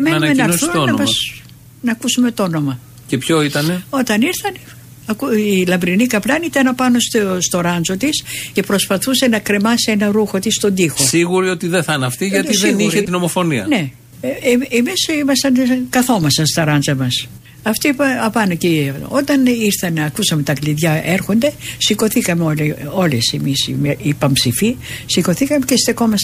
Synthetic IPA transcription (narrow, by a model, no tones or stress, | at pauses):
emenɐɐnɐnosθunonɐmɐs | nɐːkusume̞t̪oo̞no̞mɐ | cepçoit̪ɐneo̞t̪ɐniɾθɐn | kuilɐmbɾinikɐplɐnit̪ɐnɐpɐno̞st̪ost̪o̞ɾɐnzo̞t̪isce̞pɾo̞spɐθuse̞nɐkɾe̞mɐsienɐɾuxo̞t̪ist̪o̞nd̪ixo̞siɣuɾio̞t̪iðeθɐnɐft̪iʝɐt̪isðeniɾet̪ino̞mo̞fo̞niɐ̰ne̞ | emisimɐst̪ɐnkɐθo̞mɐsɐst̪ɐɾɐnzɐmɐs | ɐft̪oipɐɐpɐnoceo̞t̪ɐniɾθɐnɐkusɐme̞t̪ɐkliðʝɐe̞ɾxo̞nd̪e̞siko̞θikɐmeoleo̞lesemisḭmeipɐmpsifisiko̞θikɐme̞cest̪e̞ko̞mɐs